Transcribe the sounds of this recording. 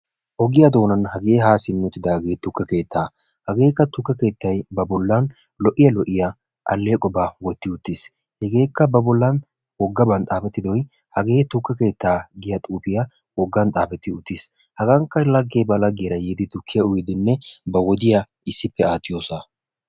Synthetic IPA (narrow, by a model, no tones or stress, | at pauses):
hɔɡɪjɐd̪o̞ːnɐnhɐɡe̞ːɦaːsɪnːʊt̪ːɪd̪ɐɡeːt̪ʊkːɐke̞ːt̪ʰːaː | hɐɡe̞ːkːɐt̪ʊkːɐke̞ːt̪ːɐjbɐbɔlːɐn | lɔʔɪjɐlɔʔːɪjɐ | ʔɐ̰lːeːkʼɔbɐwɔt̪ːɪʊt̪ːɪs | hɛɡe̞ːkːɐbɐbɔlːɐn | wɔɡːɐbɐnt̪ʼaːfɛt̪ːɪd̪ɔj | hɐɡe̞ːt̪ʊkːɐke̞ːt̪ːaːɡɪjɐt̪ʼuːpɪjɐ | wɔɡːɐnt̪ʼaːpɛt̪ːɪʊt̪ːɪs | hɐɡɐŋkːɐlɐɡːeːbɐlɐɡːɪjɾɐjeːd̪ɪt̪ʊkʰːɪjɐʊjɪd̪ɪnːɛbɐwɔd̪ɪjɐ | ɪsːɪpːɛaːt̪ːɪjoːsɐ